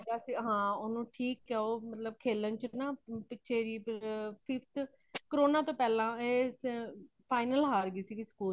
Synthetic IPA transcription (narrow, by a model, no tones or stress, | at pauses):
d̪aːsiːɦãːʊnũːʈʰiːkːɛːoːmət̪ləbkʰeːlənt͡ʃənaːpɪtːʃʰeːɾiːppʰɪfʰt̪ʰ | kəɾoːnãːt̪õːpɛːlãːeː | pʰaːɪnəlɦaːɾɡiːsiːkiskuː